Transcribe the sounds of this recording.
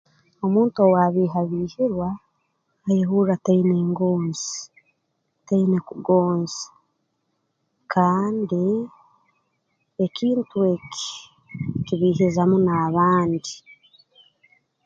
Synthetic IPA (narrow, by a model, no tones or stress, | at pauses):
o̞muːntowaβiːɦaβiːhiɾwaː | jehuɾataineːŋɡoːnzi | tainekuɡoːnzḁ | kʰaːndi | ekiːntue̞kʰi̥ | kiβiːɦizamunaːβaːndi